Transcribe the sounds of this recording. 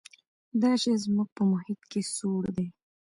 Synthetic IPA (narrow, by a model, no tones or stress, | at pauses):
d̪ɑʃezmuɡ̚pəmʊhɪt̪kesoɽd̪e